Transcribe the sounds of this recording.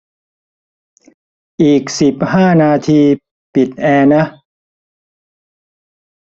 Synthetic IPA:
ʔiː˨˩k̚si˨˩p̚haː˥˩naː˧t̪ʰiː˧ | pi˨˩t̪̚ʔɛː˧na˦˥

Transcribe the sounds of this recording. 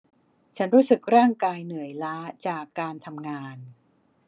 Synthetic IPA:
t͡ɕʰa˦˥nɾuː˦˥sɯ˨˩k̚ɾaː˥˩ŋkaː˧jnɯ˨˩˦əjlaː˦˥t͡ɕaː˨˩kːaː˧nt̪ʰa˧mŋaː˧n

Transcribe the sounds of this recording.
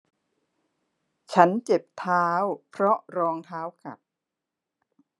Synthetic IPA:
t͡ɕʰa˦˥nt͡ɕe˨˩p̚t̪ʰaː˦˥wpʰɾɔ˦˥ʔɾɔː˧ŋt̪ʰaː˦˥wka̰˨˩p̚

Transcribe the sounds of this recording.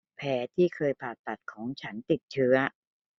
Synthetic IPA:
pʰɛː˩˦˥t̪ʰiː˥˩kʰɤː˧jpʰaː˨˩t̪ːa˨˩t̪̚kʰɔː˩˦ŋt͡ɕʰa˦˥nt̪i˨˩t̪̚t͡ɕʰɯ˦˥ɐ

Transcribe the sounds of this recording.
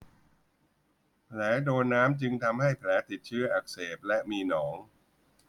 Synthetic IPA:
pʰlɛː˩˦doː˧nːaː˦˥mt͡ɕɯ˧ŋt̪ʰa˧mha˥˩jpʰlɛː˩˦˥t̪i˨˩t̪̚t͡ɕʰɯː˦˥ɐʔa˨˩k̚seː˨˩p̚lɛ˦˥ʔmiː˧nɔː˩˦ŋ

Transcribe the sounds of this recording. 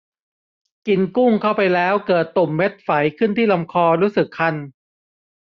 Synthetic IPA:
ki˧nku˥˩ŋkʰa˥˩wpa˧jlɛː˦˥wkɤː˨˩t̪ːo˨˩mːe˦˥t̪̚fa˩˦jkʰɯ˥˩nt̪ʰiː˥˩la˧mkʰɔː˧ɾuː˦˥sɯ˨˩kʰːa˥˩n

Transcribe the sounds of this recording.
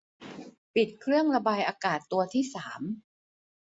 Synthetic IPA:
pi˨˩t̪̚kʰɾɯ˥˩əŋɾa˧baː˧jʔaː˧kaː˨˩t̪ːu˧ɐt̪ʰiː˥˩saː˩˦m

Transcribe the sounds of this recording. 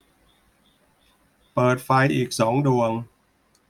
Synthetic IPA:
pɤː˨˩t̪̚fa˧jʔiː˨˩k̚sɔː˩˦ŋdu˧əŋ

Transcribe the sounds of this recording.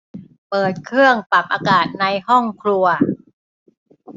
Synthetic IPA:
pɤː˨˩t̪̚kʰɾɯ˥˩əŋpa˨˩p̚ʔaː˧kaː˨˩t̪̚na˧jhɔ˥˩ŋkʰɾu˧ɐ

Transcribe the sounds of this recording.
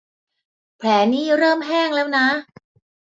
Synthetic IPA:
pʰlɛː˩˦niː˥˩ɾɤː˥˩mɦɛː˥˩ŋlɛː˦˥wna˦˥

